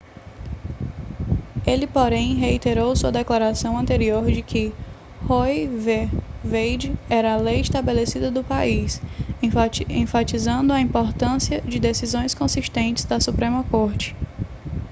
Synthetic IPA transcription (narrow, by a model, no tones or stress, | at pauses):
elɪpoɾẽj̃ɦeit̪eɾowsuɐd̪ɛklaɾasɐ̃w̃ɐ̃nt̪eɾioɾd͡ʒɪkʰɪ | hojvevejd͡ʒɪɛɾɐːlejɪʃt̪abelesid̪ɐd̪ʊpais | ẽfat͡ʃizɐ̃nd̪ʊɐĩpoɾt̪ɐ̃siɐd͡ʒɪd̪esizõj̃skõsiʃt̪ẽnt͡ʃɪzd̪ɐsupɾẽmɐkoɾt͡ʃɪ̥